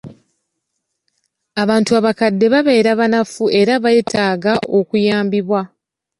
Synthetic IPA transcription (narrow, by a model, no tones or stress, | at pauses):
aβaːntuaβakadːe̞βaβe̞ːɾaβanafuʔe̞ɾaβajetʰaːɡaʔo̞kujaːmbiβwa